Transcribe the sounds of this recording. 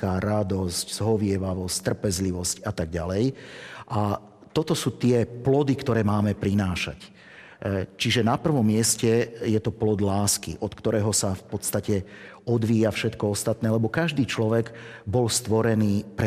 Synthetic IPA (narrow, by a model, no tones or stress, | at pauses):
kaɾad̪ɔscz̥ɦɔʋɪɛʋaʋɔsct̪r̩pɛzliʋɔscat̪aɡɟalɛjʔa | t̪ɔt̪ɔsuːt̪ɪɛplɔd̪ikt̪ɔɾɛːmaːmɛpɾinaːʃa̰c | t͡ʃiʒɛnapr̩ʋɔmːɪɛscɛjɛt̪ɔplɔd̪laːskḭʔɔt̪kt̪ɔɾɛːɦɔsafpɔt̪st̪acɛ | ɔd̪ʋiːjafʃɛt̪kɔɔst̪at̪nɛːlɛbɔkaʒd̪iːt͡ʃlɔʋɛɡbɔlst̪ʋɔɾɛniːpɾɛ